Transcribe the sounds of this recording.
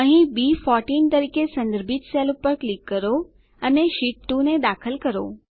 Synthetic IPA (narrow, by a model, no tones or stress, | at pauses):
ə̃ɦĩbifɔɾʈint̪əɾikesə̃nd̪əɾbʱit̪selpəɾklikːəɾo | əneʃiʈʈuned̪akʰəlkəɾo̰